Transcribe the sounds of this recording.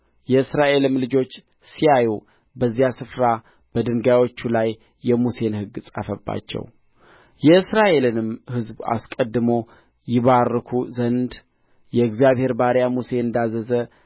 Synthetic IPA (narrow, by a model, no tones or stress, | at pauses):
jɛɨsɾaʔe̞lɨmlɨd͡ʒo̞t͡ʃː | sijaju | bəzːijasɨfɾa | b̥əd̪ɨŋɡawo̞t͡ʃːulajː | ɛmuse̞nhɨɡsʼa̰fəbːa̰t͡ʃːɛ̰w | jɛɨsɾaʔe̞lɨnɨmhɨzba̰skʼəd̪ːɨmo̞ | jɪβarːɨkʰuzənd̪ | jɛɨɡzijaβhe̞ɾbaɾjamuse̞ɨnd̪azəzə